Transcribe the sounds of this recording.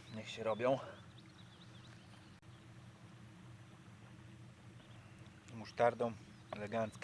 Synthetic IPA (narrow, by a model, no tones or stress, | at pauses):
ɲɛxɕɛɾɔbʲjɔ̃w̃ | muʂt̪aɾd̪ɔ̃w̃ | ɛlɛɡant̪sk